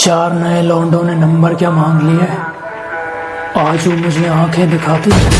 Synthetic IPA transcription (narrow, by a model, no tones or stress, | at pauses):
t͡ʃaːɾnɐelɔ̃ːɳɖõnenɐ̃mbəɾkjaːmãːŋɡliɛː | aːd͡ʒũːmʊd͡ʒʱeãːkʰẽd̪ɪkʰaːt̪i